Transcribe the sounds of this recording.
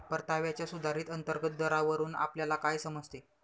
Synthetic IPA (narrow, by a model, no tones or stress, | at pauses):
pəɾt̪aʋjat͡ɕjasud̪ʱaɾiːt̪ənt̪əɾɡət̪̚d̪əɾaʋəɾuːna̰pljalakajsəməd͡zʱt̪e